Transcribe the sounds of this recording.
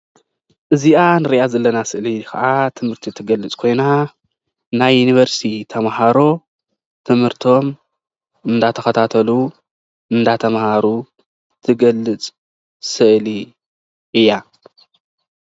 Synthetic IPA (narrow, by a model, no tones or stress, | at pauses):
ʔɨziʔanɨɾiʔazɐlːɐnasɨʔlikʰɐ̰ʔat̪ʰɨmhɨɾt̪ʰit̪ʰɨɡɐlːɨt͡sʼkʰo̞jna | najːuniβɐɾst̪ʰit̪ʰɐmɦaɾo̞ | t̪ʰɨmhɨɾt̪ʰo̞m | ɨnd̪at̪ʰɐxɐt̪ʰat̪ʰɐlu | ʔɨnd̪at̪ʰɐmhaɾu | t̪ʰɨɡɐlːɨt͡sʼ | sɨʔli | ʔɨjːa